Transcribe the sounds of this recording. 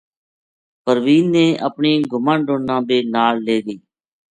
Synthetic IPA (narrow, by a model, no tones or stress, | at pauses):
pəɾʋiːnːẽːʔə̰pɳĩːɡʱʊmãːnɖõːnãːb̪eːnaːlleːɡəiː